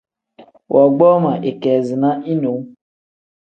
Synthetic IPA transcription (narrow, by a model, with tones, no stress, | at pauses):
wʔɔ˨ɡ͡bɔ˦ma˨ʔe˨kɛ˨zi˨nã˦i˦no˨˦